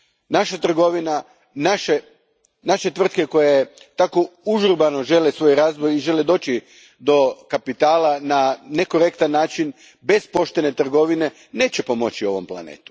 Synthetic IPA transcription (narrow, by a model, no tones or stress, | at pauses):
naʃat̪r̩ɡo̞ʋina | naʃe̞ | naʃe̞t̪ʋr̩t̪ke̞ko̞jet̪akouʒuɾbanoʒe̞lesʋo̞jɾaːzbojiʒe̞led̪o̞ːt͡ɕi | d̪o̞kapit̪aːlanane̞ko̞ɾe̞kt̪anːaːt͡ʃin | be̞spo̞ʃt̪e̞ne̞t̪r̩ɡo̞ʋine̞ | ne̞ːt͡ɕe̞po̞mo̞̰t͡ɕio̞̰ʋo̞̰mplˠa̰nḛːt̪u̥